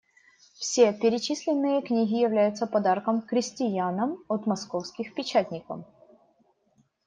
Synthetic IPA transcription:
fsʲepʲɪɾʲɪt͡ɕisʲlʲɪnːɨjəknʲiɣʲɪjɪvlʲæjʊt̪səpɐd̪arkəmkɾʲɪsʲtʲɪjanəmot̪mɐskofskʲɪxpʲɪt͡ɕæt̪ʲnʲɪkə̰m

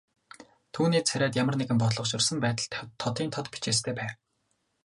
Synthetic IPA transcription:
t̪ʰuːniːt͡sʰæɾʲæːt̪jamə̆rneɣɘ̆mpɔt̪ɮɞ̆χʃʊ̆rsə̆mpæːt̪ə̆ɮt̪ʰt̪ʰːɔt̪iːnt̪ʰɔt̪pi̥t͡ɕeːst̪ʰeːpæːw

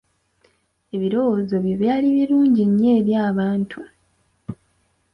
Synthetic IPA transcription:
e̞βiɾo̞wozo̞βjo̞βjaːliβiɾuːɲɟiɲːe̞ːβjaːβaːntʰu

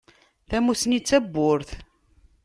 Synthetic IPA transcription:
θæmusnit͡sːæbːʊɾθ

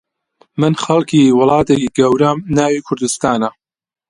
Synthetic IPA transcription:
mɨnxɐlˠkʰiːwʊlˠɑːt̪ekiɡɐwɾɐmnaːwiːkʰʊɾd̪ust̪aːnɐ

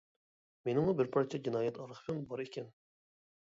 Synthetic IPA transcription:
menɪmubɪɾpʰɑɾt͡ʃʰɛd͡ʒinɑːjɛt̪ʰɑɾɨχpʰɪmbɑɾikʲʰɛn

